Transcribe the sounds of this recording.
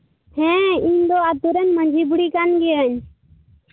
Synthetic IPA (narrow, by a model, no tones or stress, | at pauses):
hɛ̃iɲd̪ɔat̪uɾɛɲmə̃ɲd͡ʒʱibuɽikanɡɛjəɲ